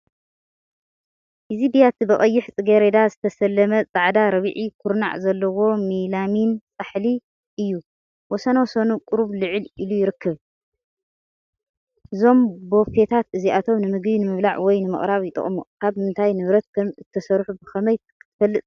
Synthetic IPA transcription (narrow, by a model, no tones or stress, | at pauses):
ʔizibijat̪ʰibɐχʼɐjːɪħt͡sʼɨɡeɾed̪azɨt̪ʰɐsɐlːɐmɐt͡sʼaʕd̪aɾɐβʕikʰuɾna̰ʕzɐlːɐwo̞milamint͡sʼaħli | ʔɨjːu | wɔsɐnawsonukʼʊɾuβlɨʕɨlɨlujɪɾɨkʰːɐβ | ʔɨzo̞mbo̞fe̞t̪ʰat̪ʔɨziʔat̪ʰo̞mnɨmɨɡbinɨmɨβlaʕwɔjnɨmɨ̰χʼɾaβjɪt̪ʼɐ̰χʼmukʰaβmɨnt̪ʰajnɨβɾɐt̪̚kʰɐmzɨt̪ʰːɐsɐɾħubɨxɐmɐjkt̪fɐlːɨt̪ʼ